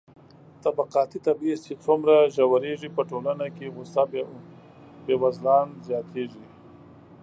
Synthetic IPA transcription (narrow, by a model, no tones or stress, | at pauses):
t̪abaqɑːt̪it̪abist͡ʃet͡sʊmɾaʒawaɾeʐipəʈolanakeɣʊsa | bewazlɑːnzjɑːt̪ʰeʐi